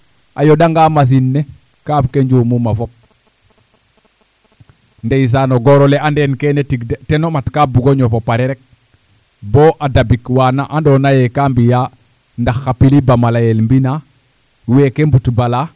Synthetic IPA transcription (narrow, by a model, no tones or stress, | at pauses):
ʔajodaŋɡamas̬inːe | kaːfkeɲɟumumafop̚ | ndeis̬anoɡoɾoleandeːnkenetiɡtenomatkabuɡoɲofopaɾiɾek̚ | boːʔadabikwanaʔandoːnajekambija | ndaxːapilibamalajelmbina | wekembutbala